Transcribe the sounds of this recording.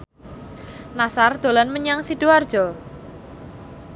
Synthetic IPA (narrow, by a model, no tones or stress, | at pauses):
nasard̪̥o̤lanməɲaŋsid̪̥oard̥ʒ̥ɔ